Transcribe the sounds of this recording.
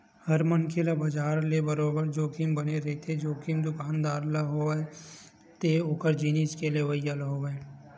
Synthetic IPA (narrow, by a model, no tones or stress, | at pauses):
həɾmənkʰelabɐd͡ʒaːɾlebəɾoːbəɾd͡ʒoːkʰimbɐneɾɐɦit̪ʰed͡ʒoːkʰimd̪ʊkaːnd̪aːɾlaɦoae | t̪eʊkəɾd͡ʒiːniskeleʋɐijalɦoʋae